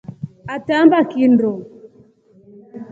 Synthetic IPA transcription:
atambakindɔ

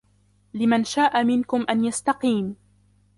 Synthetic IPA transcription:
lɪmanʃaːʔamɪnkʊmʔanjast̪ɑqiːm

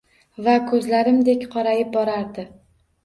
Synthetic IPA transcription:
vakʰɵzlaɾɪmd̪e̞kʲqʰɒɾajɪp̚bɒɾaɾd̪ɪ

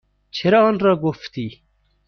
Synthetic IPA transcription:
t͡ɕʰeɾonɾaɡoft̪i

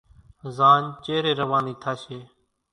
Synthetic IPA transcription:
zaːnt͡ʃeːɾeːɾəʋaːniːt̪ʰaːʃeː

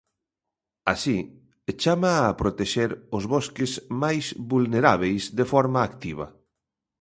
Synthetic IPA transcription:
asi | t͡ʃamaːpɾot̪eʃeɾʊzβɔskɪzmajsβulneɾaβ̞ejzðefɔɾmaːkt̪iβ̞ɐ̰

